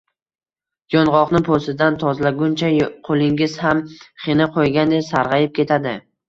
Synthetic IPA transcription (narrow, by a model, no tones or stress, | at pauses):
jɒnʁɒqnɪpʰosɪd̪ant̪ʰɒzlaɡʊnt͡ʃʰaqʰolˠɪŋʲɪz̥hamχenɪqʰojɡʲand̪esaɾʁɑjɪp̚kʲe̞t̪ʰad̪ɪ